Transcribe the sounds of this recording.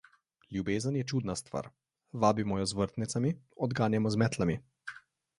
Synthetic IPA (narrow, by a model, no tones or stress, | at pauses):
ljubeːzənjɛt͡ʃuːd̪nast̪ʋa̰ːɾ | ʋaːbimɔjɔzʋəɾt̪nit̪samiɔd̪ɡaːnjɛmɔzmɛt̪lami